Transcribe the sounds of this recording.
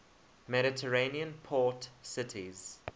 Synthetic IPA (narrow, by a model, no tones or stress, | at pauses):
mɛɾɪtʰəɹẽniə̃npʰɔːtsɪtʰiz̥